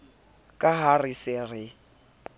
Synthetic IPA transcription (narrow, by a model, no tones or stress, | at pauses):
kʼaɦarisɪrɪ